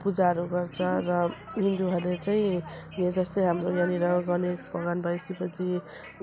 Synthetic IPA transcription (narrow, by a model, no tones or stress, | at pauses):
pud͡zaɾuɡʌrt͡sʰʌɾʌɦind̪uɦʌlet͡saĩ | jed͡zʌst̪ʌjɦamɾojaniɾʌɡʌnesbʌɡanbʌjskipʌt͡sʰi